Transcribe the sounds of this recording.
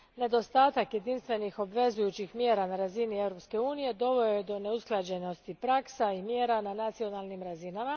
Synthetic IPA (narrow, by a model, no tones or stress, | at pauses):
ne̞d̪o̞st̪aːt̪akje̞d̪inst̪ʋe̞nixo̞bʋe̞zujut͡ɕixmje̞ːɾanaɾazinievɾo̞pske̞uːnije̞d̪o̞ʋo̞jed̪o̞ne̞usklˠad͡ʑe̞no̞st̪ipɾaksaimjeːɾananat̪sio̞nalˠnimɾazinama